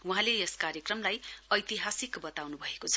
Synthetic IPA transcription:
wuɦãleeskaɾjʌkrʌmlajʌjt̪iɦasikbʌt̪awnubʱʌekot͡sʰʌ

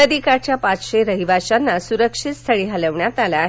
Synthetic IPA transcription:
əd̪ikat͡ɕjapat͡sɕeɾəɦiʋaɕanːasuɾəkʂit̪st̪ʰəɭiːɦaləʋɳjat̪ala

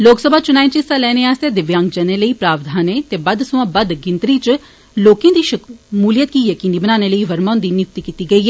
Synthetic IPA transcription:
loːksəbʱaːt͡ʃʊnaːĩːt͡ʃɪst̪aːlɛːneːaːst̪eːd̪ɪʋjãːŋɡd͡ʒəneːləiːpɾaːʋd̪ʱaːneːt̪eːbəd̪sʊãːbəd̪ɡɪ̃nt̪ɾiːt͡ʃ | loːkẽãːd̪iːʃəkmuːlɪjət̪̚kiːjəkiːniːbənaːneːləiːʋəɾmaːnd̪iːnʊkt̪iːkiːt̪iːɡəiːɦɛː

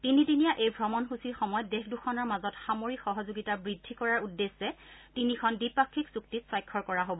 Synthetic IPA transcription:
tinitinijaʔejbʱɹɔmɔnxusiɹxɔmɔjɔtdexʰduxʰɔnɔɹmazɔtxamoɹikxɔɦɔzoɡitabɹidʱːikɔɹaɹudːesːɛtinikʰɔndipakʰːiksuk̚titsɔjkʰːɔɹkɔɹaɦobɔ

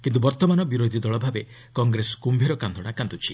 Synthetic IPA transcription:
kint̪ubɔɾt̪ɔmanɔbiɾod̪ʱid̪ɔɭɔbʱabe | kɔŋɡɾesɔ̥kumbʱiɾɔkand̪ʱɔɽ̃akant̪ut͡ʃʰi

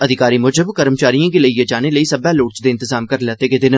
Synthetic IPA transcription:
əd̪ʱɪkaːɾimʊd͡ʒəbkəɾmt͡ʃaːɾijãkeləijed͡ʒaːneləisɐbɛloːʈt͡ʃd̪eːɪnt̪ɪzaːmkəɾlɛːt̪eked̪ɪn

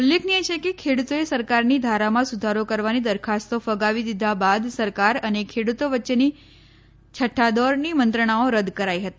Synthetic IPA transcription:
ʊlːekʰniet͡ʃʰekekʰeɽut̪oesəɾkaɾnid̪ʱaɾamãsud̪ʱaɾokəɾʋanid̪əɾkʰast̪ofəɡaʋid̪id̪ʱabad̪səɾkaɾənekʰeɽut̪oʋətːʃeni | t͡ʃʰəʈʰːad̪ɔɾnimənt̪ɾəɳ̃aoɾəd̪kəɾaiɦət̪i

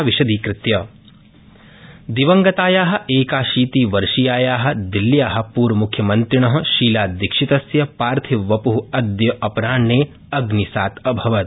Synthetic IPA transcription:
ʋiʃɐd̪iːkɾɪt̪jɐ | d̪iʋɐŋɡɐt̪aːjaːɦɐ̆ʔeːkaːʃiːt̪iːʋɐɾʃijaːjaːɦɐ̆d̪ilːjaːɦɐ̆puːɾɐmukʰjɐmɐnt̪ɾiɳɐɦɐ̆ʃiːlaːd̪ikʂit̪ɐsjɐpaːɾt̪ʰiʋɐpuɦuɐd̪jɐʔɐpɾaːɳːeː | ɐɡnisaːt̪ɐbʱɐʋɐt̪

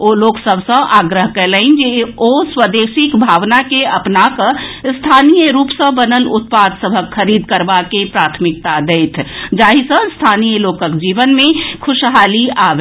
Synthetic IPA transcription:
oloːksəbʱsə̃ʔaɡɾəɦkeləɪnd͡ʒeoswəd̪eːsikbʱaːʋnakeəpnakəst̪ʰanijəɾuːpsə̃bənənʊt̪̚pad̪səbʱəkʰːəɾiːd̪kəɾbakepɾaːt̪ʰmɪk̚t̪ad̪eɪt̪ʰd͡ʒaːɦisə̃st̪ʰaːnijəloːkəkd͡ʒiːʋənmẽkʰʊʃɦaːliaʋe

